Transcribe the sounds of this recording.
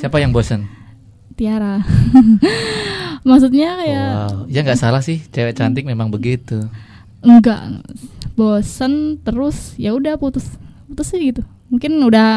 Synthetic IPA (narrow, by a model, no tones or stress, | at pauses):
siapajaŋbosən | t̪iaɾa | maksut̪̚ɲakajaijaŋɡaʔsalahsɪht͡ʃewɛt͡ʃant̪ɪk̚memaŋbəɡit̪u | əŋɡa̰ʔbosənt̪əɾʊsjaudahput̪ʊsput̪ʊsɪhɡit̪u | muŋkɪnudah